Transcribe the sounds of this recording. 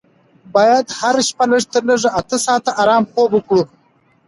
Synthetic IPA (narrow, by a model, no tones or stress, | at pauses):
bɑjad̪haɾʃpaləʐt̪əɾləʐaʔat̪əsɑt̪aʔaɾɑmxobəkɽu